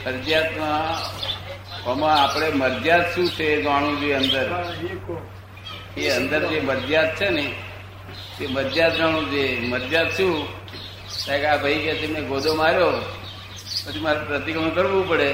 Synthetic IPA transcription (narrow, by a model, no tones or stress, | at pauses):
məɾd͡ʒjat̪mã | əmãapɽ̃eməɾd͡ʒjad̪ʃũt͡ʃʰed͡ʒʋaɽ̃ũd͡ʒeənd̪əɾ | eənd̪əɾd͡ʒeməɾd͡ʒjad̪̚t͡ʃʰene | t̪eməɾd͡ʒjad̪d͡ʒaɽ̃ũd͡ʒeməɾd͡ʒad̪ʃũ | t̪akabʱəikjat͡ʃʰemɛ̃ɡod̪ʱomaɾjo | pət͡ʃʰimaɾapɾət̪ikɾəɳkəɾʋũpəɽe